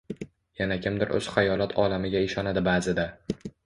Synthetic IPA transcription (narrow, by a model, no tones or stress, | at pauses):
janakʲɪmd̪ɪɾʔɵ̰z̥χajɒlˠat̪ʰɒlamɪɡʲaɪʃɒnad̪ɪbaːzɪd̪a